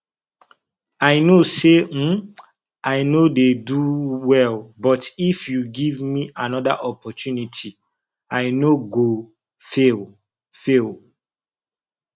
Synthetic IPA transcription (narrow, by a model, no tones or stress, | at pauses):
aɪnose | ajnodeduwɛlbɔtifjuɡivmiʔanɔda̰ʔɔpɔtjunitʰi | aɪnoɡo | fel | fel